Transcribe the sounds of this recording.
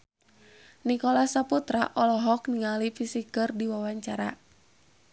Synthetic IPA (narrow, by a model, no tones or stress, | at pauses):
nikɔlasaput̪ɾa̰ʔɔlɔɦɔk̚niŋalifisikɨrdiwawaɲt͡ʃaɾa